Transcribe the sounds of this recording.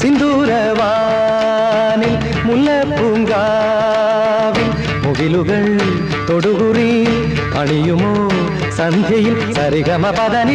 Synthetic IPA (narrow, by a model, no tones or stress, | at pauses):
sind̪uːɾɐ | ʋaː | nil | mulːɐpuŋɡaː | ʋil | muɣilɯɣɐɭ | t̪oɽuɣuri | pɐɳijumoː | sɐnd̪ʱjɐjilsɐɾiɣɐmɐpɐðɐni